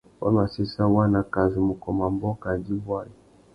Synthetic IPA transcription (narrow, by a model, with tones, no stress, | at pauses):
wa̰˦ma˨si˦sa˦wa˦na˨ka˨zi˨mu˨kɔ˨ma˨mbɔ˦ka˨di˦bwa˦ji˨